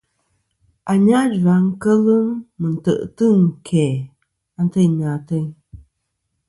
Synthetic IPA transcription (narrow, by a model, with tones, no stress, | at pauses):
a˨ɲa˦d͡ʒa˨˦ŋ̩˦kə˦lɨ˦ŋmɨ˨n̩˨tə̰˨ʔtɨ˦˨ŋ˨kʰɛ˨ | a˦n˦tə˦˨ɲa˨tə˦˨ɲ